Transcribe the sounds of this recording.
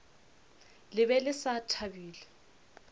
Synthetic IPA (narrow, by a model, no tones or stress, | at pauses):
lɪβɛlɪsatʰabiːlɛ